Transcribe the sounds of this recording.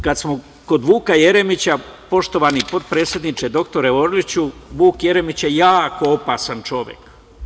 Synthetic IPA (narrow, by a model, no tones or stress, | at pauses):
kad̪smo | ko̞d̪ʋuːkaje̞ɾemit͡ɕapo̞ʃt̪o̞ʋanipo̞t̪̚pɾe̞ːt̪sjed̪nit͡ʃed̪o̞kt̪o̞ɾeoɾlit͡ɕuʋuːkje̞ɾe̞mit͡ɕjejaːko̞opaːsant͡ʃo̞ʋje̞̰k